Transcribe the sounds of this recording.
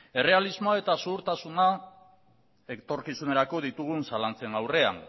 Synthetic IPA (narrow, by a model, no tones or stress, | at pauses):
e̞re̞alizmoae̞t̪asuɣuɾt̪asuna | et̪o̞ɾkisune̞ɾako̞ðit̪uɣ̞unsalant͡se̞ŋawre̞a̰n